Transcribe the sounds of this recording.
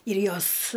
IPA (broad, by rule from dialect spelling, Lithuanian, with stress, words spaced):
ɪr ˈjoːs